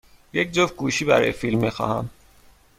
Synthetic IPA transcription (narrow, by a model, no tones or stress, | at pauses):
jec̚d͡ʒofɡuːʃiːbæɾɒ̰ːjefilmːixɒ̰ːhæm